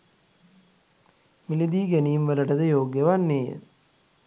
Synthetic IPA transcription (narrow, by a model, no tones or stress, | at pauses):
milid̪iːɡænijːmʋələʈəd̪əjoːɡjəʋanːeːjə̰